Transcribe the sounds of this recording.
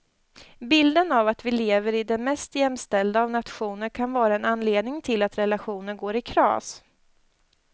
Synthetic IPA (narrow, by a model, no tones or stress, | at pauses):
bɪld̪ənavat̪vɪleːvəɾɪd̪ɛnmɛst̪jɛmːst̪ɛld̪aːvnat̪ɧuːnəɾkʰanvɑːɾaɛnanːleːd̪nɪŋt̪ʰɪlat̪ɾɛlaɧuːnəɳɡoːɾɪkʰɾɑ̰ːs